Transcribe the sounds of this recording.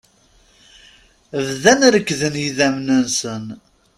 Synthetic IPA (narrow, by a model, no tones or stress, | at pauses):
vðænɾəkːðənjiðæmnənsən